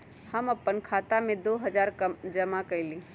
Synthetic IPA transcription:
hɐmɐpːənkʰaːt̪amẽd̪oːɦɐd͡ʒaːɾkəmd͡ʒɐmakɐilĩː

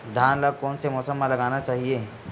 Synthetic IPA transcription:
d̪ʱjaːnləɡ̚kɔːnsemɔːsəmːãlɐɡaːnat͡ʃaːɦieː

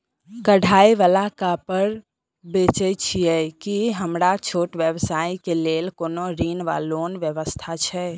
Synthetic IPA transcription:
kəɽʱajeʋalakapəɾ | bet͡ʃɛt͡ʃʰijɛkiɦəmɾat͡ʃʰoʈʋjəbsaikelelkonoɾinʋa̰loːnʋjəʋəst̪ʰat͡ʃʰɛ

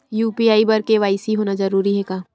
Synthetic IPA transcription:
juːpiaːibɐɾkeʋaːɪsiɦoːnazɐɾuːɾiɦɛkaː

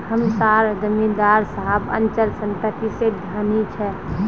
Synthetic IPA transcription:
həmsaɾd͡ʒəmid̪aɾsəɦəbə̰nt͡ʃəlsə̃nt̪ət̪ised̪ʱjaːnit͡ʃʰɛ

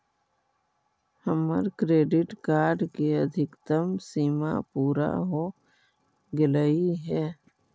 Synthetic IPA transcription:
həmə̰ɾkɾeːɖɪʈkaːɾɖkeəd̪ʱɪkt̪əmsiːma̰puːɾa̰ɦoː | ɡɪləiɦɛː

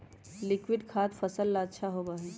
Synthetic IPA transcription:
lɪkwɪɖkʰaːt̪fəsəlːaətːʃʰaɦoːbaːɦiː

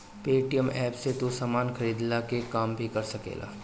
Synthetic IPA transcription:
peːʈijəmɛːpset̪usɐmaːnxɐɾiːd̪lakekaːmbʱikɐɾsɐkḛːla̰ː

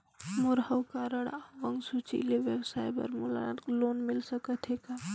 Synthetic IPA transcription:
muɾɦəwkaɾəɽaʋəŋɡsut͡ʃḭleʋjəbsajbə̰ɾmula̰klonmilsəkət̪ɦeka

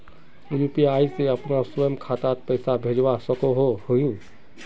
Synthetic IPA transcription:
uɾupiajseəpnasɔjmkʰat̪at̪̚pəjsabʱed͡ʒwasɔkoɦohojũ

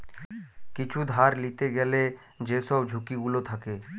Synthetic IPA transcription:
kɪt͡ʃʰud̪ʱaːɾlit̪eɡɛle | d͡ʒeːsɔbd͡ʒʱʊkiɡulot̪ʰəkeː

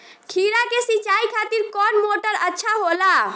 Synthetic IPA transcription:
kʰiɾakesit͡ʃaikʰat̪iɾkɔnmoʈəɾətːʃʰaɦola

